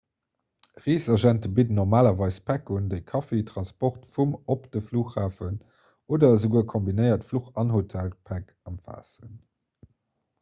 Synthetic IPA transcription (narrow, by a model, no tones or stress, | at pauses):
ʁiːsɐʒæntəbidənɔʁmaːlɐvɑɪspʰækundəɪkʰɑfetʁɑnspɔχtfumopd̥əfluːχhaːfən | oːdɐzəɡuːəkʰombinəɪɐtfluχɑnhotʰælpʰæk | ɑmfa̰ːsən